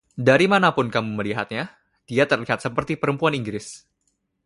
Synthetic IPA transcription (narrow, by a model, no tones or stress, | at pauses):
daɾimanapʊnkamuməliɦa̰t̪̚ɲa | d̥iat̪ərliɦat̪̚səpərt̪ipəɾəmpuaniŋɡɾɪs